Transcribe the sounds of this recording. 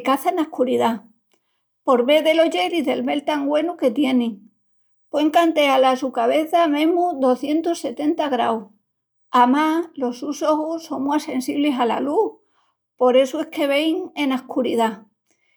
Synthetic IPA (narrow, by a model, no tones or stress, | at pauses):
kaθanahkuɾiða | po̞ɾβe̞ðe̞lo̞ʝe̞ɾizðe̞lme̞lt̪aŋɡwe̞nuke̞t̪je̞neŋ | pweŋkant̪e̞alasukaβe̞θamẽ̞muðo̞θje̞nt̪ose̞t̪e̞nt̪aɣɾaw | amalo̞suso̞xusso̞ŋmwase̞nsiβle̞sala̰lu | po̞ɾe̞sue̞ske̞β̞e̞jŋe̞nahkuɾiða